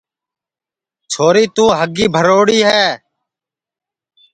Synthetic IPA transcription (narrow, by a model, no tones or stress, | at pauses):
t͡ʃʰoːɾiːt̪ũːɦəɡiːbʱəɾoːɽiːɦɛː